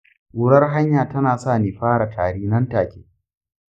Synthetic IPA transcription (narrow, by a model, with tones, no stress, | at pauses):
wʊ˦ɽɐ˦rɦa˦ɲjaː˨tɐ˦naː˨saː˦˨neː˨ɸaː˦ɽa˨tʰaː˨ɽiː˦nɐ˦nta˨kʲḛː˦